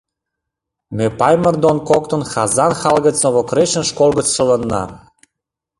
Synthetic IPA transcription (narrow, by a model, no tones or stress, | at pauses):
mepɑjmə̆rd̪onkokt̪ə̆nxɑzɑnxɑlɣə̆t͡sŏβokɾeʃə̆nʃkolˠɣət͡sʃə̆lə̆nːɑ̰